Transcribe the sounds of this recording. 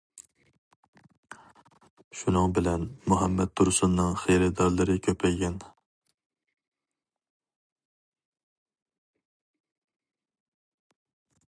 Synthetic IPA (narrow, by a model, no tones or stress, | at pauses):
ʃunɨŋbɪlɛnmuɦɛmːɛt̪ʰːuɾsunːɨŋχejɾɛd̪ɑɾlˠɨɾɨkʲʰøpʰɛjɡʲɛn